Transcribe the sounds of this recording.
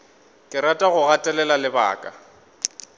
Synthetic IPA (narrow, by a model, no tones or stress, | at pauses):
kʼɪɾatʼaɣʊɣatʼɛlɛlalɪba̰ːkʼa